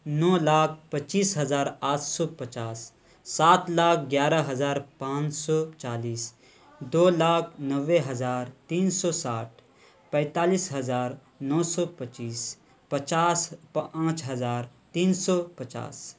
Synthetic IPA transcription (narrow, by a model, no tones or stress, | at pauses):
nɔːlaːk̚ʰpət͡ʃiːsɦɐzaːɾaːt̪ʰsɔːpət͡ʃaːsː | aːt̪laːk̚ʰɡjaːɾaɦɐzaːɾpãːt͡ʃsɔːt͡ʃaːliːs | d̪oːlaːkʰnəʋːeɦɐzaːɾt̪iːnsɔːsaːʈ̚ʰ | pɛ̃ːt̪aːliːsɦɐzaːɾ | nɔːsɔːpət͡ʃiːs | pət͡ʃaːspãːt͡ʃɦɐzaːɾ | t̪iːnsɔːpɐt͡ʃa̰ːs